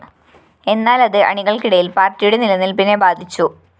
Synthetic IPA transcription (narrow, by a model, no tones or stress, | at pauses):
e̞nːaːlɐðɨʔɐ̰ɳiɣɐɭkiɽɐjilpaːrtːijuɽe̞nilɐnːilpinebaːd̪ʱit͡ɕːu